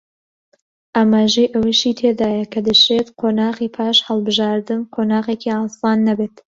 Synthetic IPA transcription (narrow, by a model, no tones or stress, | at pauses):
ʔaːmaːʒejʔɐwiʃit̪ʰed̪aːjɐkʰɐd̪ɨʃet̪qʰoːnaːɣiːpʰɑːʃhɐlˠbɨʒɑːɾd̪ɨnqʰonaːɣeːkʰiɑːsɑːnːɐbeːt̪